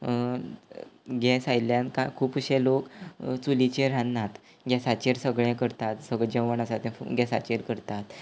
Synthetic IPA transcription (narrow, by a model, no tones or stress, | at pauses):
ɡɛsajljãnkakʰuːpuɕelokt͡sulit͡ɕeɾãnːat̪ | ɡjɛsat͡ɕeɾsəɡɭjɛ̃kəɾt̪at̪səɡɭd͡ʑəʋənasat̪ɛ̰̃ɡɛsa̰t͡ɕeɾkəɾt̪at̪